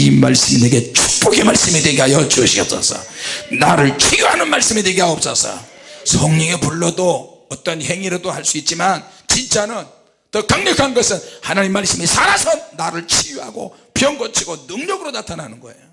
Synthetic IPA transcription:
ima̰ɭs͈ɯmineɡe̞t͡ɕʰu̥k̚p͈ʌɡe̞maɭs͈ɯmidwe̞ɡiɦajʌt͡ɕoɕʰiɡʌp̚s͈a̰sʰʌ̰naɾɯɭt͡ɕʰijuɦanɯnmaɭs͈ɯmidwe̞ɡiɦajʌp̚s͈asʰʌ̰sʰʌŋɲʌŋepuɭːʌdoʌt͈ʌnhe̞ŋiɾɯdohaɭs͈uit̚t͡ɕ͈imant͡ɕint͡ɕ͈anɯn | tʌkaŋɲʌkʰanɡʌsʰɯnhanaɲimːaɭs͈ɯmisʰaɾasʰʌnːaɾɯɭt͡ɕʰijuɦa̰ɡo̰ | pjʌŋɡʌt͡ɕʰiɡonɯŋɲʌɡɯɾonatʰanɦanɯnɡʌḛjo

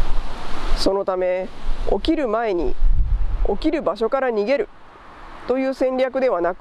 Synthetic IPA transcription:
so̞no̞t̪ame̞o̞̰kʲiɾɯ̟mae̞ɲ̟ḭ | o̞kʲiɾɯ̟baɕo̞kaɾaɲ̟iɡe̞ɾɯ̟ | t̪o̞jɯ̟ːsẽ̞ɲɾʲakɯ̟d̪e̞β̞anakɯ̥

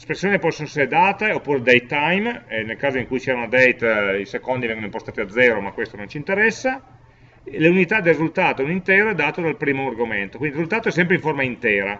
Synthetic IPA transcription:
spɾesːjoːnipɔsːonoɛseɾed̪aːt̪eopːuːɾed̪ejt̪ajmnelkaːzoiŋkujt͡ʃɛaunad̪ɛjt̪isekond̪ivɛŋɡonoimpost̪aːt̪iad̪zːɛːɾomakːwest̪onõnt͡ʃint̪eɾɛsːa | leunit̪ad̪elrizult̪aːt̪ounint̪ɛːɾoɛd̪aːt̪od̪alpɾiːmoarɡoment̪okwind̪iɾrizult̪aːt̪oɛs̬ːɛmpɾeiɱformaint̪ɛːɾa

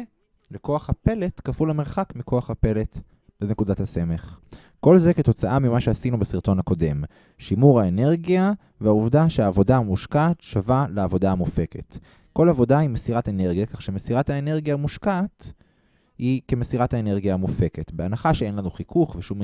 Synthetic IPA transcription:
leko̞aχhape̞le̞tkafulameʁχakmikʰo̞aχhape̞le̞t | lene̞kudathase̞me̞χ | ko̞lzeketo̞t͡saʔamimaʃeasinubasiʁt̪o̞nhako̞de̞m | ʃimuʁaene̞ʁɡia | veauvdaʃeaːvo̞daamuʃkat̪ʃavaleːvo̞daamufe̞ke̞̰t | ko̞lavo̞daimesiʁatene̞ʁɡijakaχʃemesiʁathaene̞ʁɡijamuʃkaːt | hike̞mesiʁathaene̞ʁɡijaːmufe̞ke̞tbeanaχaʃee̞nlanuχikʰuχveʃum

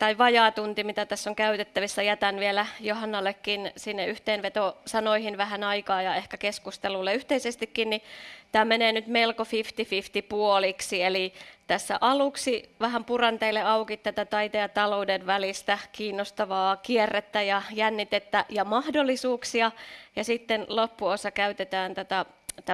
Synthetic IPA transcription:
t̪ɑiʋɑjɑːt̪unt̪imit̪æt̪æsːoŋkæyt̪et̪ːæʋisːæjæt̪ænʋielæjohɑnːɑlːekːinsinːeyht̪eːnʋet̪osɑnoihinʋæhænɑikɑːjɑehkækeskust̪elulːeyht̪eisest̪ikːinnit̪æːmeneːnyt̪melkofift̪ifift̪ipuoliksielit̪æsːæʔɑluksiʋæhæmpurɑnt̪eilːeɑukit̪ːæt̪æt̪ɑit̪ejɑt̪ɑloudeʋʋælist̪ækiːnːost̪ɑʋɑːkierːet̪ːæjɑjænːit̪et̪ːæjɑmɑhdolːisuːksiɑjɑsit̪ːenlopːuosɑkæyt̪et̪æːnt̪ot̪ɑ | t̪æ

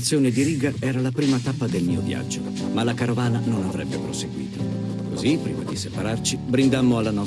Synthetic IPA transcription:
t̪sːjoːned̪iɾiːɡaɛːɾalapɾiːmat̪apːad̪elmiːovja̰d͡ʒːo | malakaɾovaːnanonavɾɛbːepɾoseɡwḭːt̪o | kozipːɾiːma̰d̪isepaɾart͡ʃibɾind̪amːoalːanɔ

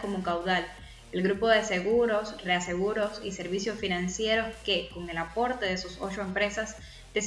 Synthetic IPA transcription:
ko̞mokawðal | elɣɾupo̞ðe̞se̞ɣuɾo̞sre̞ase̞ɣuɾo̞sise̞ɾβisjo̞sfinãnsje̞ɾo̞ske̞ko̞ŋe̞lapo̞ɾt̪eðesuso̞̰t͡ʃo̞e̞mpɾe̞sas | d̪̥es

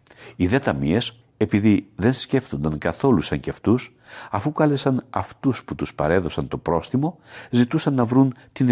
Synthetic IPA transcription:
iðet̪ɐmie̞s | e̞piðiðe̞nsce̞ft̪o̞nd̪ɐŋkɐθo̞lusɐɲceft̪us | ɐfukɐle̞sɐnɐft̪usput̪uspɐɾe̞ðo̞sɐnt̪o̞pɾo̞sθimo̞zit̪usɐnːɐvɾunt̪in

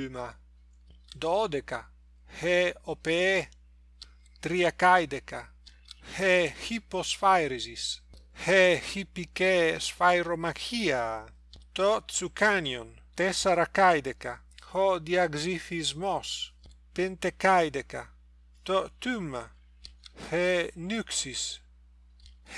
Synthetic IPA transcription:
ma | d̪ɔd̪eka | heopee | t̪ɾiakajd̪eka | hehiposfajɾizishehipikesfajɾomakʰia | t̪ot͡sukanjon | t̪esaɾakajd̪eka | hɔd̪iaɡzifizmɔs | pent̪ekajd̪eka | t̪ot̪ymːa̰ | henyksis

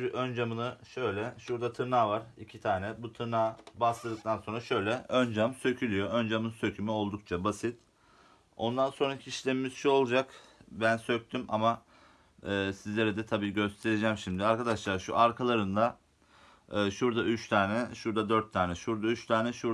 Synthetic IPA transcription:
ʔønd͡ʒamɯnɯʃø̞jlʲɛʃuɾd̪at̪ʰɯɾnaːvaɾicʰit̪ʰaːnɛbut̪ʰɯɾnaːbaslˠɯd̪ɯk̚t̪ʰanso̞nɾaʃø̞jlʲɛønd͡ʒamsø̞cʰylʲyjo̞ønd͡ʒamɯnsø̞cʰymɛo̞lˠd̪uk̚t͡ʃʰabasit̪ | o̞nd̪anso̞nɾacʰiʃlʲemimizʃuo̞lˠd͡ʒakbænsø̞c̚t̪ʰyma̰ma | ɯːsizlʲe̞ɾɛd̪ɛt̪ʰabiːɟø̞st̪ʰe̞ɾed͡ʒɛːmʃimd̪iaɾkad̪aʃlˠaɾʃṵʔaɾkʰalˠaɾɯnd̪a | ɯːʃuɾd̪aʔyt͡ʃt̪ʰaːnɛʃuɾd̪ad̪øɾt̪ʰːaːnɛʃuɾd̪ayt͡ʃt̪ʰaːnɛʃu

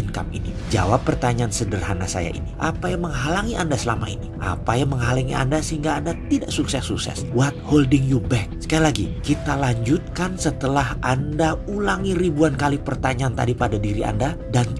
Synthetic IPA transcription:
ənka̰mḭni | d͡ʒa̰wapːərt̪aɲaːnsədərɦanasa̰ja̰ʔḭniʔapajaŋməŋɦalaŋiʔandasəlamaḭniʔa̰pajaŋməŋɦalaŋia̰ndasəhiŋɡaːndat̪idaʔsuksɛsːuksɛ̰swat̪̚holdɪŋjubɛk̚sə̥kajalaɡikit̪alaɲd͡ʒut̪̚kansət̪əlahʔandaulaŋiɾibuankalipərt̪aɲaant̪adipadadiɾiʔa̰ndadan

